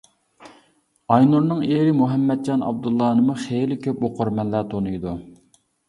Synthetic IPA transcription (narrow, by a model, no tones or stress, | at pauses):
ɑjnuɾnɨŋeɾɪmuɦɛmːɛd̪̚d͡ʒɑnʔɑ̰b̚d̪ulˠːɑːnɨmuχelɪkʲʰøp̚oqʰoɾmɛnlæt̪ʰonujd̪u